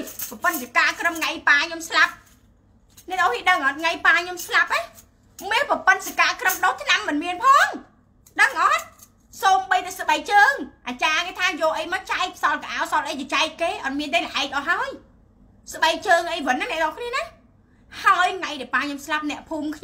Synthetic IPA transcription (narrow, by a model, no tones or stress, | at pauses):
pɑpənsikaːkrəmŋajpaːɲomslap̚ | nɛʔt̪ʔɔhiɗəŋʔɑt̪̚ŋajpaːɲomslap̚ʔeː | meːlpɑpɨnsikaːkrəmɗoːt̪ʰnamːɨnmiənpʰɑːŋ | ɗəŋʔɑt̪̚ | soːmɓəjt̪asəɓəjk̚t͡ɕəːŋʔaːt͡ɕaːkeːt̪ʰaːjɔːʔəjmɔt͡ɕaɛk̚sɑlkaʔaːwsɑlʔəjt͡ɕɔt͡ɕaɛk̚keːʔɑt̪̚miənt̪eːlɛʔaɛk̚ʔɑtɦaəj | səɓəjk̚t͡ɕəːŋʔəjʋɨnːanɛəʔ̪t̪ʔɔkʰniəna | haəjŋajɗɛpaːɲomslap̚nɛ̆əʔpʰuːmkʰ